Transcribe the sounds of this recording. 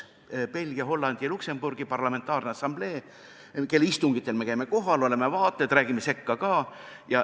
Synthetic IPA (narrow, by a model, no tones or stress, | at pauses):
pe̞lʲɡ̥ijɑɦo̞lːɑnd̪̥ijɑlukse̞mb̥urɡ̥ipɑrlɑme̞nt̪ːˑɑːrneɑsːɑmb̥le̞ː | ke̞lːeist̪uŋɡ̥it̪ːˑe̞lme̞kæjme̞ko̞ɦɑlo̞le̞mevɑːt̪ˑːed̪ræːɡimːe̞se̞kːɑkɑːjɑ